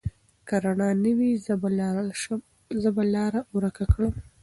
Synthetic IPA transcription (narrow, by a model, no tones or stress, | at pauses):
kaɾaɳɑnəwiz | zəbalɑɾauɾakakɽəm